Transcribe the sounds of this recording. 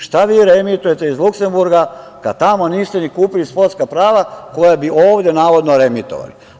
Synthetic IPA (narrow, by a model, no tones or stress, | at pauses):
ʃt̪aʋiːɾemit̪ujet̪eizlukse̞mbuɾɡa | kad̪t̪amo̞niːst̪enikuːpilispo̞ɾt̪skapɾaːʋakojabiʔoːʋd̪je̞naːʋo̞d̪noɾemit̪o̰ʋa̰li